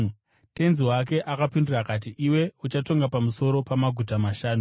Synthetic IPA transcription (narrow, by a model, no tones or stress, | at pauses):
te̞nziwake̞ʔakapindurakat̬iʔiwe̞ut͡ʃato̞ŋɡapamuso̞ɾo̞pamaɡʱutamaʃaːnu